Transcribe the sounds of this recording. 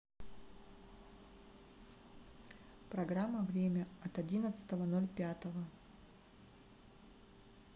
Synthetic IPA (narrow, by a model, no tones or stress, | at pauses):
pɾɐɡɾamːəvɾʲemʲəɐt̪ɐdʲinət̪sɨ̥t̪əvənolʲpʲat̪əvə